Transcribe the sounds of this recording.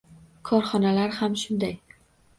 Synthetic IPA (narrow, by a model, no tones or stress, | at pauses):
kʰɒɾχɒnalaɾhamʃʊnd̪aj